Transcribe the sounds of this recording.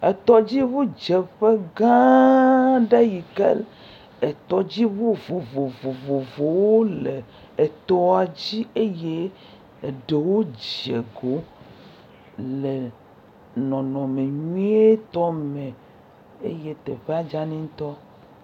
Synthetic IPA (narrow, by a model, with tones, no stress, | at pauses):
e˨t̪ɔ˦d͡ʑi˦βu˦d͡ʒe˨ɸe˦ɡã˦ | ɖe˦ji˨kḛ˦l | e˨t̪ɔ˦d͡ʑi˦wu˦vo˨vo˨vo˨vo˨vo˨wo˦le˨ | e˨t̪ɔ˦a˨d͡ʑi˦e˦je˦˨ | ɖe˨wo˦d͡ʑe˨ɡo˨ | le˨ | nɔ̃˨nɔ̃˨me˨ɲũ˦e˦t̪ɔ˦mẽ˨ | ḛ˦je˦t̪e˨ɸe˦a˨d͡ʒa˦nĩ˦t̪ɔ˦